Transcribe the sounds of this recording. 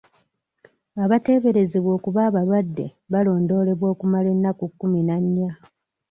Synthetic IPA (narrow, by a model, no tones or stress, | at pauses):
aβate̞ːβe̞ɾe̞zeβwo̞ːkuβaːβalwadːe̞̰ | βalo̞ːndo̞ːle̞βwo̞ːkumale̞nːakukːuminaɲːa